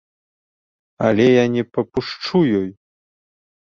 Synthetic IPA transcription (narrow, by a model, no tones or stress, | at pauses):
alʲɛjanʲɛpɐpuʂt͡ʂujɔj